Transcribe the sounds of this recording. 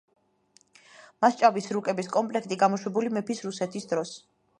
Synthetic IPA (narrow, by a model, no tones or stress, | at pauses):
mast͡ʃʼavisɾukʼɛbiskʼɔmpʼlɛk̚ʰt̪ʼiɡamɔʃwɛbulimɛpʰisɾusɛt̪ʰisd̪ɾɔs